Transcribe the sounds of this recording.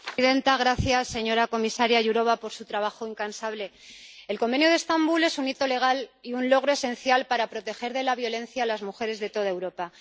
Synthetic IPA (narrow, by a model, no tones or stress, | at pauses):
ðe̞nt̪aɣ̞ɾaθjasːe̞ɲo̞ɾako̞misaɾjaʝuɾo̞β̞apo̞ɾsut̪ɾaβ̞axoiŋkansaβle̞ | elko̞mbe̞njoðe̞st̪ambule̞sunit̪o̞le̞ɣ̞aliunlo̞ɣ̞ɾo̞e̞se̞nθjalpaɾapɾo̞t̪e̞xe̞ɾðe̞laβ̞jo̞lẽ̞nθjaːlazmuxe̞ɾe̞zðe̞t̪o̞ðaewɾo̞pa